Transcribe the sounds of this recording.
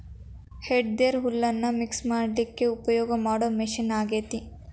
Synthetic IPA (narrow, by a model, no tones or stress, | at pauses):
heɖɖeɾɦulːɐnːɐmiksmaːɖlikːe̞upɐjɔːɡɐmaːɽomiʃinaːɡeːt̪i